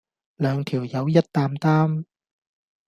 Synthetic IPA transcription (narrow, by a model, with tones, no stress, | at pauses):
lœː˨˧ŋt̪ʰi˨˩əwjɐ˨˥wjɐ˦˥t̚t̪aː˧mt̪aː˥m